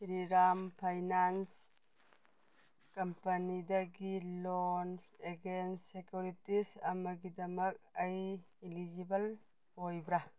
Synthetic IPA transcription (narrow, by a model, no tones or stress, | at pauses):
ɾiɾampʰajnans | kɐmpɐnidɐɡilonseɡensːekjuɾitisɐmɐɡidɐmɐk̚ɐjilid͡ʒibɐl | hojbɾa